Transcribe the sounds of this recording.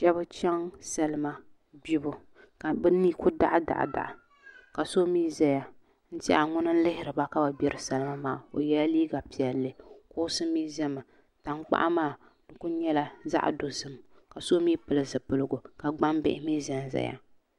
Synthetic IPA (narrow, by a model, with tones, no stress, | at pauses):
ʃɛ˦bʊ˦t͡ʃɛ˦ŋsa˦lɨ˦ma˦ | bi˦bʊ˨ | ka˨bɨ˦niː˦kʊ˦da̰˦ʔda̰˨ʔda̰˨ʔa˨ | ka˨so˦miː˦za˨ja˨ | n̩˦tḭ˦a˨ŋʊ˦nɨ˦n̩˦lɪ˦hɪ˦ɾɨ˨ba˦ka˦ba˨bjɛ˦ɾɨ˦sɛ˦lɨ˦ma˦maː˨o˨jɛ˦la˦liː˦ɡa˨pi˨ɛ˨lːɨ˦kʊ˦ʊ˦sɨ˦miː˦zɛ˦ma˨ | ta˨ŋ˦k͡pa̰˦ʔmaː˦˨ | dɨ˨kʊ˦ɲɛ˦la˦za̰˦ʔdo˨zɨ˦mka˨so˦mi˦pɨ˨lɨ˦zɨ˨pɨ˦lɨ˦ɡʊ˨ka˨ɡ͡ba˦mbɪ̰˦ʔɪ˦miː˦za˨n˨za̰˨˦ja̰˨